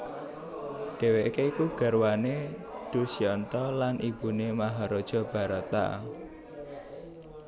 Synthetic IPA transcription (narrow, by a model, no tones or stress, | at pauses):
ɖ̥e̤weʔkeikuɡ̥a̤rwaned̥ṳsiɔnt̪ɔlanʔib̥ṳnemaɦaɾod̥ʒ̥ɔ̤b̥a̤ɾat̪a̰